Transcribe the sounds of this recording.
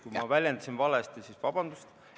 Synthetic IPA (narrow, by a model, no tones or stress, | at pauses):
kumɑvælʲjend̪̥ɑsinvɑlest̪esisvɑb̥ɑnd̪ust̪